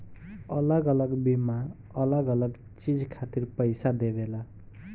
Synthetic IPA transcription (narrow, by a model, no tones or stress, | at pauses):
ʌlʌɡʌlʌɡbima | ʌlʌɡʌlʌɡ | t͡sid͡zkʰat̪irpʌjsad̪ebela